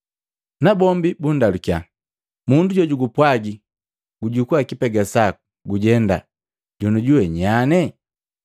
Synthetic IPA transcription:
nabɔmbibundalukja | munduɟɔɟuɡupwaɡi | ɡuɟukuakipɛɡasaku | ɡuɟɛnda | ɟɔnuɟuwɛɲanɛ

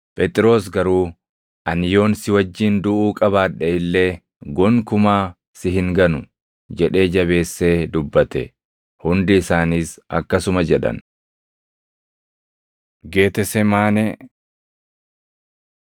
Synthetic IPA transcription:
pʼɛt̪ʼɪɾo̞ːs̬ɡɐɾuː | ʔɐnjo̞ːnsɪwɐd͡ʒːiːnd̪ʊʔuːkʼɐβaːᶑɛɪlːe̞ː | ɡɔŋkʊmaː | sɪɦɪŋɡɐnʊ | d͡ʒɛᶑe̞ːd͡ʒɐβe̞ːsːe̞ːd̪ʊbːɐt̪ɛ̰ | hʊnd̪ɪːsaːniːsɐ̰kːɐsʊmɐd͡ʒɛᶑɐ̰n | ɡe̞ːt̪ɛsɛmaːnɛ

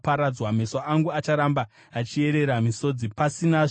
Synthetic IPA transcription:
paɾad͡zwamesoʔaŋɡuat͡ʃaɾambaː | t͡ʃie̞ɾe̞ɾamiso̞d͡zipasina

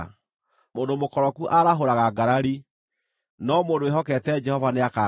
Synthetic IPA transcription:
mondomokɔɾɔkuʔaɾaɦoɾaɣaɡaɾaɾi | nɔmondoeɦɔkɛtɛd͡ʒɛhɔvaneaka

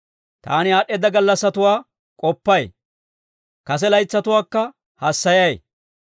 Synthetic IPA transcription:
t̪a̰ːnɪaːɗɛd̪ɐɡɐlːɐsːɐt̪ʊwaː | kʼɔpːɐj | kɐs̬ɛlɐjt͡sːɐt̪ʊwaːkːɐ | hɐsːɐjɐj

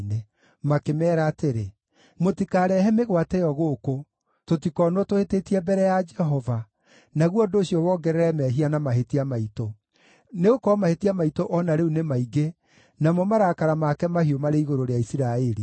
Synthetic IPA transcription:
ne | makemɛːɾaːteɾe | motikaɾɛɦɛmeɣwatɛjɔɣoko | totikɔnwɔtohetetiɛbɛɾɛjad͡ʒɛɦɔva | naɣwɔdoːɕijɔwɔɡɛɾɛɾɛmɛɦianamaɦetiamaito | neɣokɔmahetiamaitoʔɔnaɾeunemaiɡe | namɔmaɾakaɾamakɛmahiomaɾeiɣoɾoɾeaisiɾaeɾi

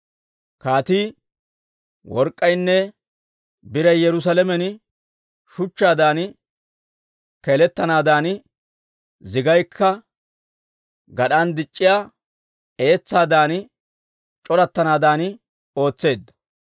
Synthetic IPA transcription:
kaːt̪iː | wɔɾkʼːɐjnːɛ | bɪɾɐjjɛɾʊs̬ɐlɛmɛn | ʃʊt͡ʃːaːd̪aːn | kɛlɛt̪ːɐnaːd̪aːn | zɪɡɐjkʰːɐ | ɡɐɗand̪ɪt͡ʃʼːɪjaː | eːt͡sːaːd̪aːn | t͡ʃʼɔɾɐt̪ːɐnaːd̪aːn | o̞ːt͡sːe̞ːd̪ːɐ̥

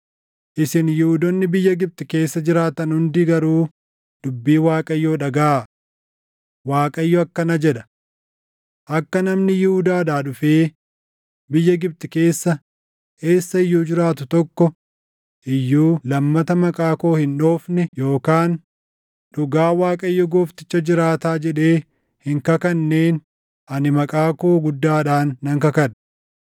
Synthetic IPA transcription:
ʔɪsɪnjɪhʊd̪ɔnːɪbɪjːɐɡɪb̚t̪ɪke̞ːsːɐd͡ʒɪɾaːt̪ɐnhʊnd̪ɪɡɐɾuː | d̪̥ʊbːiːwaːkʼɐjːoːᶑɐɡa | waːkʼɐɪjːɔɐkːɐnɐd͡ʒɛᶑɐ̥ | ʔɐkːɐnɐmnɪjɪhʊd̪aːd̪aːᶑʊfeː | bɪjːɐɡɪb̚t̪ʼɪke̞ːsːɐ | e̞ːsːɐɪjːuːd͡ʒɪɾaːt̪̬ʊt̪ɔkːɔ | ʔɪjːuːlɐmːɐt̪ɐmɐkʼaːko̞ːhɪnᶑo̞ːfnɛjo̞ːkaːn | ᶑʊɡaːwaːkʼɐɪjːɔɡoːft̪ɪ̥t͡ʃːɐd͡ʒɪɾaːt̪aːd͡ʒɛᶑe̞ː | hɪŋkɐkɐnːe̞ːn | ʔɐnɪmɐkʼaːko̞ːɡʊd̪ːaːᶑaːnːɐŋkɐkɐnɐ̥

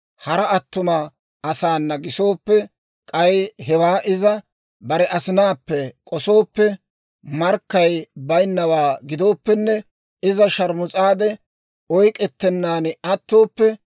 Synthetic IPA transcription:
hɐɾɐɐt̪ːʊmɐː | saːnːɐɡɪso̞ːpːɛ | kʼɐjɦɛwaːʔɪzɐ | bɐɾɛʔɐsɪnaːpːɛkʼɔso̞ːpːɛ | mɐɾkːɐjbɐjnːɐwaːɡɪd̪o̞ːpːɛnːɛ | ɪzɐʃɐɾmʊt͡sʼaːd̪ɛ | ɔjkʼɛt̪ːɛnːaːnɐt̪ːo̞ːpːɛ

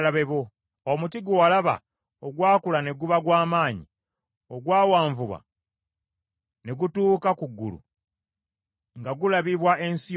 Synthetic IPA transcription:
laβe̞βo̞ | omutiɡualaβa̰ | oɡwaːkulane̞ɡuβaɡwaːmaːɲḭ | o̞ɡwaːwaːɱvuβa̰ | ne̞ɡutuːkakuɡːṵlṵ | ŋɡaɡulaβiβwaʔe̞nsi

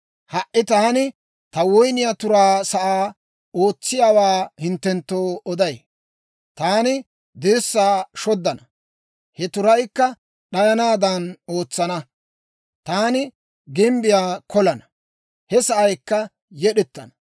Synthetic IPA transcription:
hɐʔːɪt̪ɐːnɪ | t̪ɐwɔjnɪjat̪ʊɾaːsɐʔaː | o̞ːt͡sːɪjaːwaːhɪnt̪ːɛnt̪ːoːɔd̪ɐj | t̪aːnɪ | d̪ɪɾsːaːʃɔd̪ːɐnɐ | hɛt̪ʊɾɐjkːɐ | ɗɐjɐnaːd̪ɐno̞ːt͡sːɐnɐ | t̪aːnɪ | ɡɪmbɪjaːkɔlɐnɐ | hɛsɐʔɐjkːɐ | jɛɗɛt̪ːɐnɐ̥

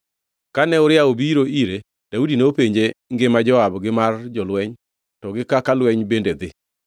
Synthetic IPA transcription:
kanɛʊɾɪaobiɾoiɾe | d̥audineopeɲd͡ʒeŋɡemad͡ʒɔabɡɪmard͡ʒɔlwɛɲ | tɔɡɪkakalwɛɲbended̪ɪ

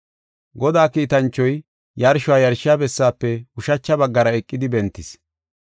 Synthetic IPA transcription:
ɡɔd̪aːkiːt̪ɐnt͡ʃːɔj | jɐɾʃʊwaːjɐɾʃɪjaːbɛsːaːpːɛʊʃɐt͡ʃːɐbɐɡːɐɾɐɛkʼːɪd̪ɪbɛnt̪ːɪs

